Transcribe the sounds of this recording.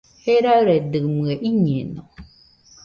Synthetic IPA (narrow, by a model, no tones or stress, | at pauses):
hɛɾaɾɛdɨmɨəʔiɲẽnɔ